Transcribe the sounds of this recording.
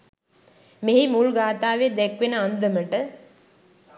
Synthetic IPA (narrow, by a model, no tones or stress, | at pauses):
meɦimulɡaːt̪aːʋed̪ɛkʋenəand̪əməʈə